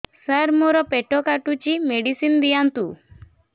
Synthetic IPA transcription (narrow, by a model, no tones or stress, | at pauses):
səɾmoɾɔpeʈɔkaʈut͡ʃimeɽisind̪ijant̪u